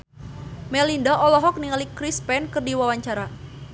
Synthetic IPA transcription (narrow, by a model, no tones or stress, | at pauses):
mɛlindaʔɔlɔɦɔk̚niŋalikɾispɛnkɨrdiwawaɲt͡ʃaɾa